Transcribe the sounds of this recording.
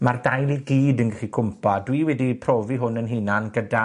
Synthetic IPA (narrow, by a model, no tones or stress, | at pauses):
mardajlˠiɡiːdənɡəχikʰʊmpʰɔadwiwɛdipʰroːviɦʊnənɦɪnanɡəda